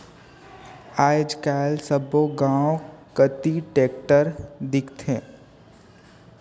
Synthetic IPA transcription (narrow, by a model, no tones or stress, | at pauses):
aːd͡ʒkaːlsəboɡãːõkət̪iʈeːk̚ʈəɾd̪ɪkt̪ʰẽː